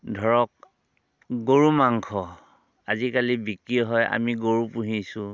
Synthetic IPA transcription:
dʱɔɹɔk̚ | ɡoɹumaŋkʰɔ | azikalibikiɔɦɔja̰miɡoɹupuɦisʊ̃

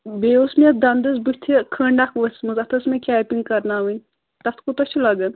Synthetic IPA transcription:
beːusmʲed̪ɐnd̪ɐsbut̪ʰikʰəːɳɖakʋɐsmɐzɐt̪ʰɐsmekʲaːpʲiŋɡ̚kɐɾnaːʋɨnʲ | t̪ɐt̪ʰkut̪ot͡ʃʰilɐɡɐn

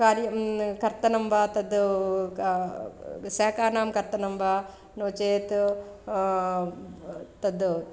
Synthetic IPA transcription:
kaːɾjɐkɐɾt̪ɐnɐmbʱat̪ɐd̪ | sɛːkaːnaːmkɐɾt̪ɐnɐmba | noːt͡ʃeːt̪ | t̪ɐd̪

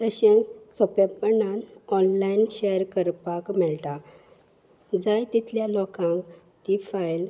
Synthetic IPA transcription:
t̪əɕẽsɔpapənanɔnlainɕejəɾkəɾpakmiɭt̪a | d͡zajt̪it̪ljalɔkãŋk | t̪ifajl

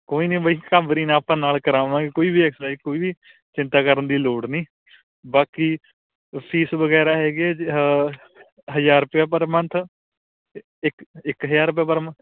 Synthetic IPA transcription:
koːiːnĩːbəikaːbɾiːnaːpãːnaːlkəɾaːʋãːɡeːkoːiːbʱiːɛːksaːikoːiːbiː | t͡ʃɪ̃nt̪aːkəɾənd̪iːloːɽnĩː | baːki | pʰiːsʋəɡɛːɾaːɦɛːɡeː | ɦəd͡ʒaːɾʊpjaːpəɾmənt̪ʰ | ɪkɪkɦəjaːɾʊp̬jaːp̬əɾmət̪ʰ

